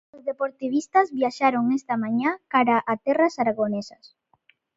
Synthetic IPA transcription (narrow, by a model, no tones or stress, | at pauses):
ozðepoɾt̪iβ̞ist̪azβjaʃaɾoŋest̪amãɲakaɾaʔat̪ɛrasaɾaɣonesɐs